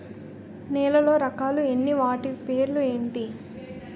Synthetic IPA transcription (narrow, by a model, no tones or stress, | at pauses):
nɛːlɐlo̞ːɾɐkaːluenːiʋaːʈipe̞ːɾlue̞ːɳʈi